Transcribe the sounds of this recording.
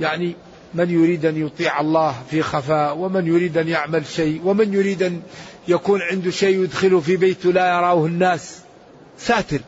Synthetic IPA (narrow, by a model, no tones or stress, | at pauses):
jaʕni | mɪnjʊɾiːd̪ʔanjʊt̪ˤiːʕɑlˤːɑːhfixafaːwɪmɪnjʊɾiːd̪ʔanjaʕmalʃajwɪmɪnjʊɾiːd̪ʔan | jakuːnʕɪnd̪ʊʃeːjʊd̪xɪlʊfibeːt̪lajɑɾˤɑːhɪnːaːs | saːt̪ɪɾ